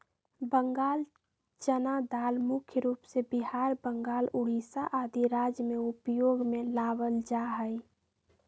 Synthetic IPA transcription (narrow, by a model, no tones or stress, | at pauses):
bəŋɡaːl | t͡ʃənad̪aːlmʊkʰjəɾuːpsebiɦaːɾbəŋɡaːlʊɽ̤isaʔaːd̪iɾaːd͡ʒjəmeʊpjoːɡmelaːʋəld͡ʒaːɦəj